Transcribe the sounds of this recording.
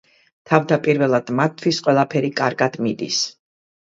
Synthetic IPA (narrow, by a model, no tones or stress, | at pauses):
t̪ʰavd̪apʼiɾvɛlˠad̪̥mat̪ʰwisqʼwɛlˠapʰɛɾikʼaɾɡad̪̥mid̪ḭs